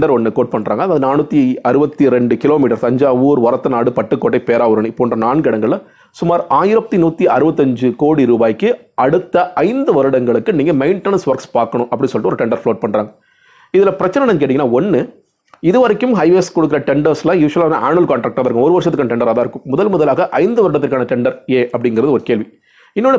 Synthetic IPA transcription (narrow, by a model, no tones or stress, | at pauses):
ɖɐɾɔnːɯkoːʈ̚pɐɳːɾa̰ːŋɡɐðaːðɯnaːnɯt̪ːiɐɾɯbɐt̪ːiɾɛɳɖɯkɪloːmiːʈɐɾsɐɲd͡ʒaːuːɾʋɐɾɐt̪ːɐnaːɽɯpɐʈːɯkːoːʈːɐɪpeːɾaːʋɯɾɐɳɯ̃ɪpːoːndrɐnaːnɡɪɽɐŋɡɐɭ | sʊmaːɾaːjɪɾɐt̪ːinuːt̪ːiʔɐɾɯbɐt̪ːɐɲd͡ʒɯkoːɽiɾuːbaːjkːɯɐɽɯt̪ːɐʔɐɪnd̪ɯʋɐɾɯɽɐŋɡɐɭɯkːɯniːŋɡɐmɐɪɳʈɛnɐnsʋɐɾkspaːɾkɐɳʊ̃ʔɐpːɐɽinsɔlʈːɯɔɾɯʈɛɳɖɐɾfɭoːʈ̚pɐɳɾaːŋɡɐ | ɪðɪlɐpɪɾɐt͡ʃːɐnɐnɐŋkeːʈiŋɐnːaːɔnːɯ | ɪðɯʋɐɾɐkːɯmɦɐɪʋeːskɔɽɯkːɪɾɐʈɛɳɖɐɾslãːjuːʂɐlaːnːã̰ʔaːɳɯɐlkaːɳʈɾaːk̚ʈːaːðɐɾɯkːʊ̃ɔɾɯʋɐɾʂ̬ɐt̪ːɯkanːɐʈɛɳɖɐɾaːðaːɪɾɯkːʊ̃mːʊðɐlmʊðɐlaːɣɐʔɐɪnd̪ɯʋɐɾɯɽɐt̪ːɯɾkːaːnɐʈɛɳɖɐɾeːʔɐpːɐɽɪŋɡɪɾɐðɯɔɾɯkeːlʋi | ɪnːɔnːɯ